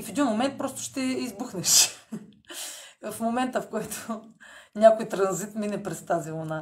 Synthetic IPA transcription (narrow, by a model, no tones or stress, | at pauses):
ifɛd̪inmomɛnt̪̚pɾɔst̪ʊ̥ʃt̪ɛizbuxnɛʃ | fmomɛnt̪əfkɔjt̪ʰo̥nʲakojt̪ɾɐnzit̪minɛpɾɛst̪azilˠona